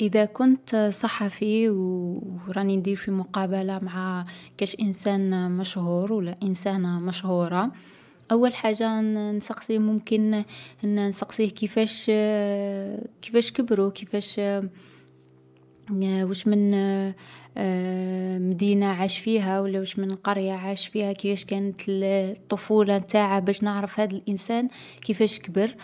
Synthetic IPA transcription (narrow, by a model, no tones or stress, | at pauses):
ʔəðækʊnt̪sˤɑħːɑfiwɾˤɑnind̪iɾfimʊqɑːbalamaʕakæʃʔənsæːnmæʃhuːɾwəlːæʔənsæːnmæʃhuɾˤɑ | ʔæwːəlħaːʒːansˤɑqsˤimʊmkən | nsˤɑqsˤihkəfæʃ | kəfæʃkəbɾukəfæʃ | wæʃmən | md̪inaʕaʃfiɦæwəlːæwəʃmənqɑɾjaʕaʃfihækəfæʃkænət̪t̪ˤːofulɑt̪aʕabæʃnəʕɾəfhæd̪əlʔənsæn | kəfæʃkbəɾ